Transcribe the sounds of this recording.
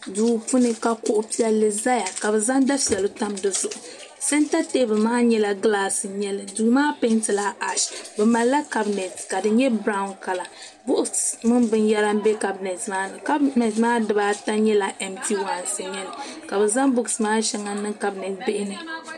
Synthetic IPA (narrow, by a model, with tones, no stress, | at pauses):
duː˨pu˦nɨ˨ka˨kʊ˦ʔʊ˦pi˦ɛ˦lːɨ˨za˦ja˨ka˨bɨ˨za˦ŋda˦pi˨ɛ˨lɨ˦ta˦mdɨ˨zʊ˨ʔʊ˨ | sɛ˦nta˦te˦bɨ˨lmaː˦ɲɛ˦la˨ɡlaː˦sɨ˨ɲɛ˦lɨ˨du˨ɡmaː˦pe˦ntɨ˨la˦a˨ʃbɛ˨ma˨lla˦ka˦bnɛ˨tka˨dɨ˨ɲɛ˦bɾa˦ʊ˦nka˨la˨ | bʊ˦ʔʊ˦smɨ˦nbɨ˨njɛ˦la˦m̩˦bɛ˦ka˨bnɛ˨tmaː˦nɨ˨ka˦bnɛ˨tmaː˦dɨ˨˦baː˦ta˦ɲɛ˦la˨ʔɛ˨mti˦˨wa˨nsɨ˨ɲɛ˦lɨ˨ka˨bɛ˨za˦ŋbʊ˦ɡsɨ˨maː˦ʃɛ˦ŋa˨nɨ˦ŋka˦bnɛ˨tbɪ˦ʔɪ˦nɨ˦